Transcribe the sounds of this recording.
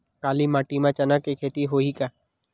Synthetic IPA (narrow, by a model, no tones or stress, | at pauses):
kaːlimãːʈimãt͡ʃənakekʰeːt̪iɦoːikaː